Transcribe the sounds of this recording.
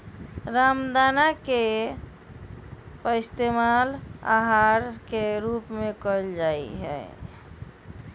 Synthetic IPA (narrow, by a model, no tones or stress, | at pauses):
ɾamd̪anake | pəist̪emala̰ɦaɾkeɾupmekəld͡ʒaḭɦɛ̰